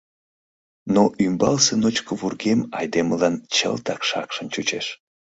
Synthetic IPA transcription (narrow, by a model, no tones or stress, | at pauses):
noʔymbɑlsenot͡ɕkəβurɣemɑjd̪eməlɑnt͡ɕə̰lt̪ɑkʃɑkʃəmt͡ɕut͡ɕeʃ